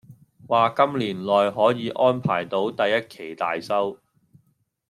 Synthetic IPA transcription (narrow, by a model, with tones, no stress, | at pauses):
waː˨kɐ˥mliː˨˩nlɔː˨jɦɔː˨˥jiː˨˧ʔɔː˥npʰaː˨˩jt̪o˨˥wt̪ɐ˨jːɐ˥t̚kʰe˨˩jt̪a̰ː˨jsɐ˥w